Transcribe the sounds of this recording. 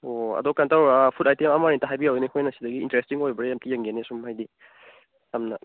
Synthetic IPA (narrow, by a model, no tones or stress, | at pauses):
oɐ̰dɔkːantawapʰutajtemamaɾintɐɦajbiawenikʰojnɐsidɐɡḭːntɾestiŋojbɐɾeamtijeŋɡenesumhajdi | jamnɐ